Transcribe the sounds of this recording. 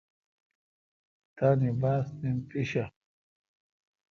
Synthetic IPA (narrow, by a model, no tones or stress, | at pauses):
t̪anibaːsnimpiɕa